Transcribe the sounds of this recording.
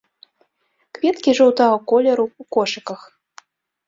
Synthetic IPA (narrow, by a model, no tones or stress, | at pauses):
kvʲɛt̪kʲiʐɐwt̪ɐɣɔkɔlʲɐɾuukɔʂɨkɐx